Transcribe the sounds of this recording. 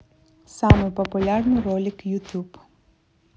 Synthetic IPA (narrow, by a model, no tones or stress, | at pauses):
sɑmɪpɔpʊlʲarnɪɾɔlʲikjut̪ʲub